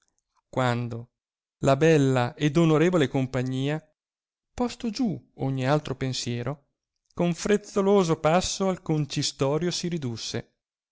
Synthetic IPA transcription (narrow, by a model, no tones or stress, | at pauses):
kwand̪o | labɛlːaʔed̪onoɾeːvolekompaɲːiːa | pɔst̪od͡ʒuoɲːialt̪ɾopensjɛːɾʔo | koɱfɾet̪sːoloːzopasːoalkont͡ʃist̪ɔːɾjosiɾid̪usːḛ